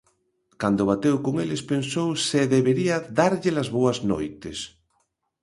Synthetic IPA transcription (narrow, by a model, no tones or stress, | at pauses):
kand̪oβ̞at̪ewkoŋelespensowseðeβeɾiɐðaɾʎelazβoɐzno̰jt̪es